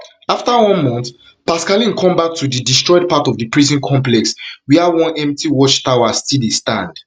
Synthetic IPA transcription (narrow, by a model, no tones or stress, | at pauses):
aftawɔ̃nmɔ̃nθ | paskalĩnkʰɔ̃mbak̚tʰudidistɹɔjd̚patɔvdipɹizĩnkʰɔ̃mplɛkswɛawɔ̃nɛ̃mptʰiwɔt͡ʃtaʊwastilestãnd̥